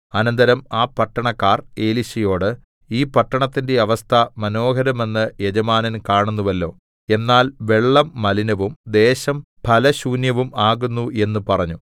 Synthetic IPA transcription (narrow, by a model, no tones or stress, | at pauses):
ɐnɐnd̪ɐɾɐmaːpɐʈːɐɳɐkːaːre̞ːliɕɐjo̞ːɽɨ | iːpɐʈːɐɳɐt̪ːinde̞ɐʋɐst̪ʰɐmɐno̞ːɦɐɾɐme̞nːɨjed͡ʑɐmaːnɐnkaːɳunːuʋɐlːo̞ː | e̞nːaːlʋe̞ɭːɐmːɐlinɐʋumd̪e̞ːɕɐm | pʰɐlɐɕuːnjɐʋumaːɣunːuʔe̞nːupɐrɐɲːu